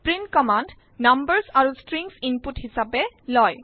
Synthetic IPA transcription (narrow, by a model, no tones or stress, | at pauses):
pɹinkɔmand | nambəɹsaɹustɹiŋsinputhisapɛlɔj